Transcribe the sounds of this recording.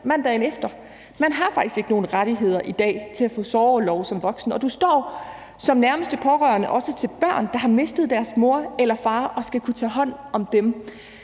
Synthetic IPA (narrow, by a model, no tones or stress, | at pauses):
mæn̰d̥ɛɪnefd̥ɐ | mænɦɑ̈fɑ̈ɡ̥isɡ̥e̝ɡ̥əno̝ːn̩ʁaɾ̥iɦe̝ð̞̰ˠɐʔid̥ɛ̰ːt͡sʰe̝læfɔ̰̽ːsɒːlɒʊsɒ̽mʋɒ̽ɡ̥sn̩ɒ̽d̥usd̥ɒ̰ː | sɒ̽mnæɐməsd̥əpʰɒ̽ʁœɐnəʔɒ̽sət͡sʰe̝lb̥ɶɐ̰nd̥ɑ̈ɦɑ̈me̝sd̥ð̞̩ˠd̥æɐsmo̝ɐ̰elɐfɑ̈ːʔɒ̽sɡ̥ækʰut͡sʰɛ̰ːɦɒ̽n̰ɒ̽md̥em